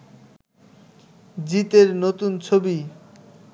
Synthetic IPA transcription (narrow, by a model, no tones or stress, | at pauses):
d͡ʑit̪eɾnot̪unt͡ɕʰobi